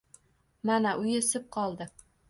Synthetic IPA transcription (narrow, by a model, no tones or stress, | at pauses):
manaʔʊjesɪp̚qʰɒlˠd̪ɪ